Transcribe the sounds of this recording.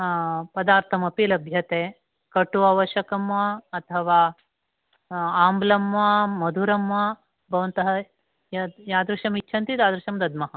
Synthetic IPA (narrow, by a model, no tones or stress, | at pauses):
pɐd̪aːɾt̪ʰɐmɐpilɐbʱjɐt̪eː | kɐʈuɐʋɐʃɐkɐmʋɐːt̪ʰɐʋaː | aːmblɐmʋamɐd̪ʱuɾɐmʋɐ | bʱɐʋɐnt̪ɐɦɐ | jaːd̪ɾuʂɐmit͡ʃːʃʰɐnt̪it̪aːd̪ɾuʃɐmd̪ɐd̪mɐɦɐ